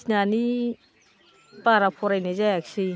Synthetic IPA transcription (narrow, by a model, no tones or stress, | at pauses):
nani | paɾapʰɔɾajnazajaksi